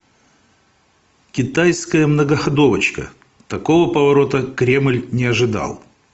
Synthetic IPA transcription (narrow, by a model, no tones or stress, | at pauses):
kʲɪt̪ajskəjəmnəɡəxɐd̪o̞vət͡ɕkə̰ | t̪ɐko̞vəpəvɐɾo̞t̪əkɾʲemlʲnʲɪɐʐɨd̪a̰lˠ